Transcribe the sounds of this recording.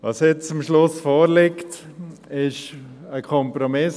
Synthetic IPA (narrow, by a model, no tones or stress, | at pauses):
ʋɑsjɛt͡st͡sʊmʃlʊsfoːɾlɪkt | ɪʃ | əkʰɔmpɾomɪs